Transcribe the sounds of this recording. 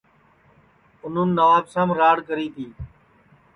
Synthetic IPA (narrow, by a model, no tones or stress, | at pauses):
ʊn̤ənɪːəʋaːbsãːmɾaːɽkəɾiːt̪ʰiː